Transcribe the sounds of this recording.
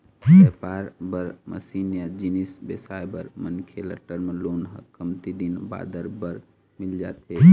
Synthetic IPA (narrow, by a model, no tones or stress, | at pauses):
epaːɾbəɾmə̰siːnjad͡ʒinisbesajbəɾmənkʰelə̰ʈəɾmeloːnɦəkəmt̪id̪inba̰ːd̪əɾbəɾ | mild͡ʒa̰t̪ɦe